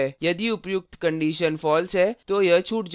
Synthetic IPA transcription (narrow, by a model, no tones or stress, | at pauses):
ɛjɐd̪iʊpjʊk̚t̪kɐ̃ɳɖiːʃənfɔːlsɦɛːt̪ojɐt͡ʃʰuːʈd͡ʒ